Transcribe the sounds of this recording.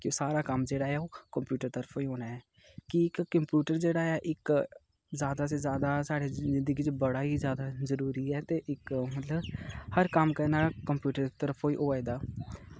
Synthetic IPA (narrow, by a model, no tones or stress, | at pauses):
kːsaːɾaːkəmd͡ʒeːɽaːɛːoːkəmpjuːʈəɾt̪əɾəpʰoːiːɦoːnaːɛː | kiɪkːəmpjuːʈəɾd͡ʒeːɽaːaːʔɪk | zjaːd̪aːs̬ezjaːd̪aːsaːɽeːzɪ̃nd̪əɡiːt͡ʃbəɽaːɦizjaːd̪azəɾuːɾiːɛːt̪eːʔɪkmət̪ləbhəɾkəmkəɾnaːkəmpjuːʈəɾt̪əɾəpʰoːiʔoːad̪aː